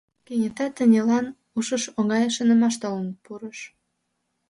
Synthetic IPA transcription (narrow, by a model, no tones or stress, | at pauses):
kenʲət̪ɑt̪ːə̆nʲelɑn | uʃəʃoŋɑjəʃənə̆mɑʃt̪olənpuɾəʃ